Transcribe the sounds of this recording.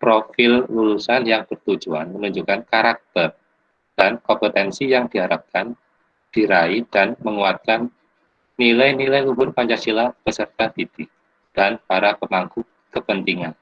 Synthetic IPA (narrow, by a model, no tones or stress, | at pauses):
pɾofɪlːulusanjaŋpərt̪ud͡ʒua̰nmənuɲd͡ʒukankaɾak̚t̪ər | d̥ankɔmpət̪ɛnsijaŋdiɦaɾap̚kan | d̥iɾaidanməŋuat̪̚kanː | ilajnilajlubʊrpaɲt͡ʃasilab̥əsərt̪ad̥idi | d̥anpaɾapəmaŋku | kəpənt̪iŋan